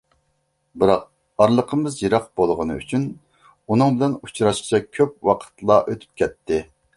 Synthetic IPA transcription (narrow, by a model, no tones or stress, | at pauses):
bɨɾɑq̚ | ɑɾlˠəqʰəmɨzjiɾɑqb̥olˠʁənɨ̰y̰t͡ʃʰyn | unɨŋbɪlɛnut͡ʃʰɾɑʃqʰt͡ʃʰɛkʲʰøp̚wɑqʰə̥t̪lˠɑʔøt̪ʰy̥p̚kʲʰɛt̪ʰːɪ